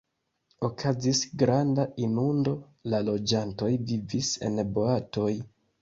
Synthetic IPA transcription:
o̞kʰazisɡɾandainundo̞ | lalo̞d͡ʒanto̞jvivise̞̰nboato̞j

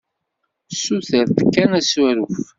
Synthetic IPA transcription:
suθəɾθkːænæswæɾuf

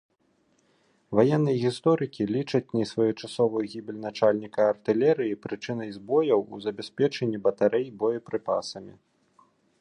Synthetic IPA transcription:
vajɛnːɨjɐɣʲist̪ɔɾɨkʲilʲit͡ʂɐt͡sʲnʲisvajɐt͡ʂasɔvɐjuɣʲibʲilʲnat͡ʂalʲnʲikɐːrt̪ɨlʲɛɾɨjipɾɨt͡ʂɨnɐjzbɔjɐwuzɐbʲɛsʲpʲɛt͡ʂɐnʲːibɐt̪aɾʔɛjbɔjɐpɾɨpa̰sɐmʲi

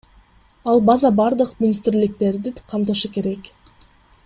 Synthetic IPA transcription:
ɑlˠbazɑbɑɾd̪ɯqmʲɪnʲist̪rlɪk̚t̪e̞ɾd̪ɪqʰɑmt̪ɯʃɯke̞ɾe̞k

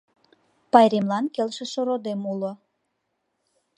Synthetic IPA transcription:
pɑjɾemlɑnkelʃeʃoɾod̪emulo

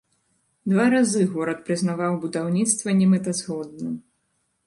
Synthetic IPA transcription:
d̪vaɾazɨɣɔɾɐt̪pɾɨznavawbud̪awnʲit̪st̪vɐnʲɛmɛt̪ɐzɣɔd̪̚nɐ

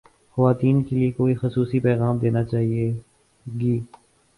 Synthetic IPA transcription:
xɐʋaːt̪iːnkeliekoːixʊsuːsipɛːɣaːmd̪eːnat͡ʃaːɦie | ɡiː

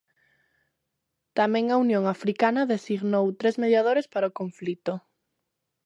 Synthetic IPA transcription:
t̪amɛ̃ŋaunjõŋafɾikanɐðesiɣnowt̪ɾezmeðjað̞oɾespaɾaokoɱflit̪o

